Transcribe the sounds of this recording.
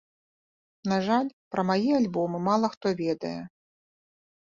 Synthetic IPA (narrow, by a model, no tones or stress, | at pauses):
naʐalʲpɾɐmajialʲbɔmɨmalˠɐxt̪ɔvʲɛd̪ɐ̰jɛ